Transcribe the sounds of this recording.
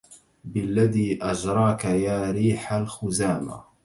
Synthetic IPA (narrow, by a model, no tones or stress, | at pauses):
bɪlːaðiːʔad͡ʒɾˤɑːkajaːɾiːħalxʊzaːma̰